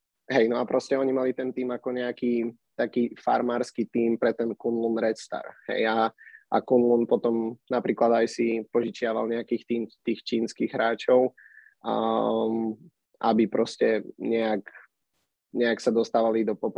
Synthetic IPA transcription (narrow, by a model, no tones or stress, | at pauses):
ɦɛjnɔapɾɔscɛɔɲimalit̪ɛnt̪iːmakɔɲɛaki | t̪akiːfa̰ɾmaːɾskit̪iːmpɾɛt̪ɛnkunlunɾɛst̪a̰ɾɦɛ̰jaʔa̰kunlunpɔt̪ɔmnapɾiːklad̪ajsipɔʒit͡ʃɪaʋa̰lɲɛakiːxt̪iːmt̪iːxt͡ʃiːnskiɣɦɾaːt͡ʃɔʊ | ʔa̰bipɾɔscɛɲɛak | ɲɛaksad̪ɔst̪aːʋalid̪ɔpɔp